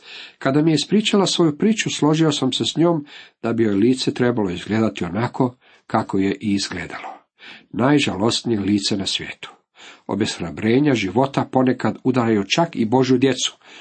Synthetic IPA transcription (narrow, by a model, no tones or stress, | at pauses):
kad̪amijeispɾiːt͡ʃalasʋo̞jupɾiːt͡ʃuslˠo̞ʒio̞samsesɲo̞ːmd̪̥abijojeliːt̪se̞t̪ɾebalo̞izɡleːd̪at̪io̞nakʰo̞ | kako̞jeʔiizɡlḛːd̪alo̞ | naːjʒalo̞snijeliːt̪se̞nasʋʲjḛːt̪u̥ | o̞̰besxɾabɾe̞ːɲaʒiʋo̞t̪apo̞ne̞kad̪ud̪aɾajut͡ʃakibo̞ʒjud̪je̞t̪su̥